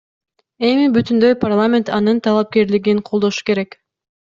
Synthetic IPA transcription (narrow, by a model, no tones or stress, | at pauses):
e̞mibyt̪ynd̪ø̞jparlˠamʲe̞nt̪ɑnɯnt̪ʰɑlˠɑp̚ke̞ɾliɡinqʰo̞lˠd̪o̞ʃu̥ke̞ɾe̞k